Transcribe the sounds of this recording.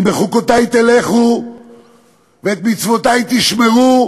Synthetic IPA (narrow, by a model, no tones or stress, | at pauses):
beχukot̪ajt̪eleχu | veet̪mit͡svo̞t̪ajt̪iʃmeu